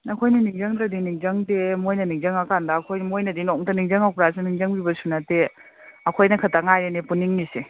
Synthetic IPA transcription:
nɐkʰojniniŋzɐŋdɐdiniŋzɐŋtemojnɐniŋzɐŋɐkandɐːkʰojmojnɐdinoŋtɐniŋzɐŋawpɾasaniŋzɐŋbibɐsunɐte | ɐkʰojnɐkʰɐtaŋajɾenipuniŋnise

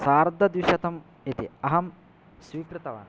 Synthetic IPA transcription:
saːɾd̪ʱːɐd̪ʋiʃɐt̪ɐm | it̪iɐɦɐm | swiːkɾɨt̪ɐʋa̰ːn

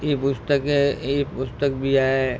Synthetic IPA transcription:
epʊst̪əkɛepʊst̪ək̚bʱiaɦɛ

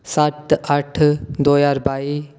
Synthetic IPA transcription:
saʈəʈʰd̪oːjaːɾbaːi

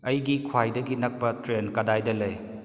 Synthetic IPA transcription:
ɐjɡikʰwajdɐɡinɐk̚pɐtɾenkɐdajdɐlɐj

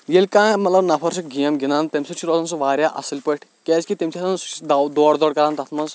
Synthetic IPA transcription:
jelʲkãːmɐt̪lɐbnɐpʰɐɾsik̚ɡʱijɐmɡinaːnt̪ɐmʲsut͡ʃʰiɾozɐnsuʋaːɾʲjaʔɐ̰silʲpɐʈʰkɛːzkit̪emʲt͡ʃʲʰiɐt̪ʰɐnsd̪d̪ɔːɽd̪ɔːɽkɐɾaːnt̪ɐt̪ʰmɐz

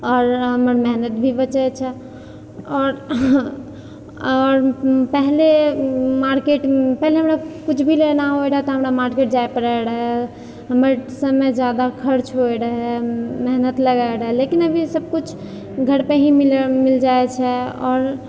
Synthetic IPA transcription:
ɔːɾɦəməɾmɛɦnət̪̚bʱibət͡ʃɛt͡ʃʰɛ | ɔːɾ | ɔːɾpɛɦlemaɾkeʈpɛɦleɦəmɾakut͡ʃʰbʱilenaɦoɾəɦɛt̪ɔɦəmɾamaɾkeʈ̚d͡ʒaepəɾaɾəɦɛ | ɦəməɾsəmːed͡ʒjad̪akʰəɾt͡ʃʰɦoiɾəɦɛmɛɦnət̪ləɡaɾəɦɛlekinəbʱisəb̚kut͡ʃʰ | ɡʱəɾpeɦĩmilmild͡ʒaet͡ʃʰɛɔːɾ

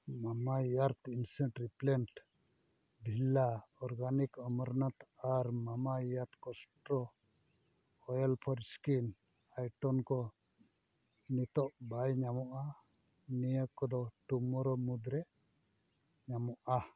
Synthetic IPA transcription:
mamaijaɾt̪insɛɳʈɾiplɛnʈ | bʱilaɔɾɡanikəməɾnat̪aɾmamaijaɾt̪kɔsʈɾɔ | jɛlpʰɔɾskin | ajʈɔnkɔ | nit̪ɔʔbajɲamɔʔa | nijəkɔd̪ɔʈumɔɾɔmud̪ɾɛ | ɲamɔʔa

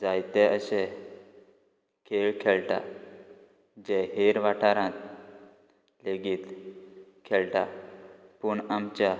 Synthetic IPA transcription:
d͡zajt̪ɛəɕe | kʰeɭkʰɛɭʈa̰ | d͡ʑɛɦeɾʋaʈʰaɾãt̪̚ | leɡiːt̪ | kʰɛlʈa | puɳamt͡ɕa

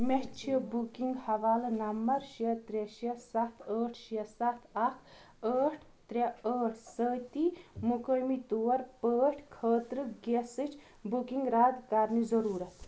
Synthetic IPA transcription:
meɦt͡ʃʰiəbukiŋɡhɐʋaːlnɐmbɐɾʃiət̪ɾeʃɐsɐt̪ʰəːʈʰʃiɐsɐt̪ʰɐt̪ʰ | əːʈʰ | t̪ɾeəːʈʰsəːt̪iːmukəːmit̪uːɐɾpəːʈʰkʰəːt̪ɾɨɡesit͡ʃʰ | bukiŋɡɾaːd̪kɐɾnizɐɾuːɾɐt̪

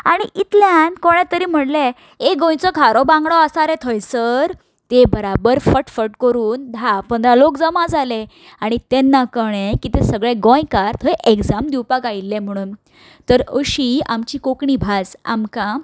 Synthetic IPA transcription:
a̰ɽ̃iʔit̪ljankoɽ̃ɛ̃t̪əɾiːm̤əɽle | eɡõjt͡sɔkaɾɔbãŋɡɽɔasaɾet̪ʰəjsəɾ | t̪ebəɾabəɾfəʈfəʈkəɾuːnd̪ʱapəd̪alokd͡zəmãd͡zale | aɽ̃it̪enːakəɳẽkit̪esəɡɭeɡõjkaɾt̪ʰəjʔekd͡zamd̪iwpakailːem̤əɽ̃uːn | t̪əɾəɕiamt͡ɕiːkokɳibʱad͡za̰mkã

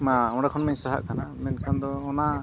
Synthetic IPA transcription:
maɔ̃ɽakʰɔnmaɲsaɦa̰ʔkʰanamɛnkʰand̪ɔːna

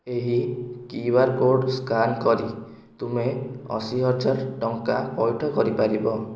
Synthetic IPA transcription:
eɦikiwaɾkoɖskankɔɾi | t̪umeɔ̰siɦɔd͡ʒaɾʈɔŋkapɔjʈʰɔkɔɾipaɾibɔ

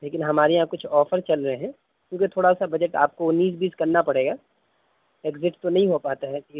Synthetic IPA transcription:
leːkɪnɦɐmaːɾeɦãkʊt͡ʃʰɔːfəɾt͡ʃɐlɾɐɦeɦɛ̃ː | kʲjõːket̪ʰoːɽasabɐd͡ʒəʈa̰ːp̚koʊnːiːsbiːzkɐɾnapɐɽeːɡaː | eːɡzɪʈt̪onɐɦĩɦopaːt̪aɦɛi

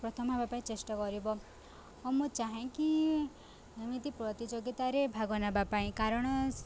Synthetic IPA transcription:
pɾɔt̪ʰɔmbʱabapaĩt͡ʃesʈɔkɔɾibɔ | ɔmũt͡ʃaɦẽki | emit̪ipɾɔt̪id͡ʒoɡit̪aɾebʱaɡɔnabapaĩkaɾɔɽ̃ɔ

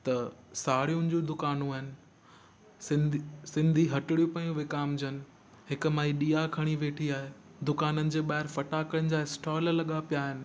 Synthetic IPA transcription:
t̪ɐsaːɽijũnd͡ʑũd̪ʊkaːnũaːɦɪnɪ̆ | ɪsɪ̃nd̪ʱiɦɐʈɪɽijũpɐjũʋɪkaːmd͡ʑənɪ̆ | ɦɪk̆maːiɗiːakʰɐɽ̃iʋeːʈʰiaːɦeː | d̪ʊkaːnənɪ̆d͡ʑeːɓaːɦɪɾfɐʈaːkəɽə̃nɪ̆d͡ʑaːɪsʈɔːllɐɠapijaːɦɪnɪ̆

